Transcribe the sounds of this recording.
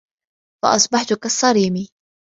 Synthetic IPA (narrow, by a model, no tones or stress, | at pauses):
fɑ̰ʔɑsˤbɑħt̪ʊkasˤːɑɾiːmi